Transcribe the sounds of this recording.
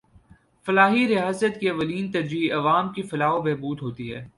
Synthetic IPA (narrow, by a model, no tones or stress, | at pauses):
fɐlaːɦiɾɪaːzət̪kiɐʋəliːnt̪ɐɾd͡ʒiːɐʋaːmkifɐlaːɦobɛːbuːd̪ɦoːt̪iɦɛː